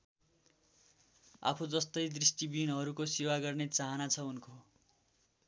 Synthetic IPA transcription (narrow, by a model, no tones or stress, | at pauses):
a̰pʰud͡zʌst̪ʌjd̪risʈibinɦʌɾukosiwaɡʌrnet͡saɦʌnat͡sʰʌunko